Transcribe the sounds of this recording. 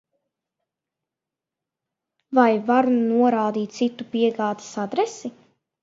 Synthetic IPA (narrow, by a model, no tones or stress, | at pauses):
vajvaɾunuɔɾaːd̪iːt̪̚t̪sit̪ːupiɛɡaːd̪ḁsad̪ɾɛsi